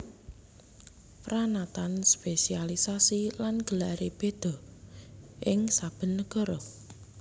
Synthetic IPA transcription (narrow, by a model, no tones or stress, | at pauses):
pɾanat̪anspesialisasilanɡ̥əlaɾeb̥ed̪̥ɔ̤ | ʔɪŋsab̥ə̤nːəɡ̥ɔ̤ɾɔ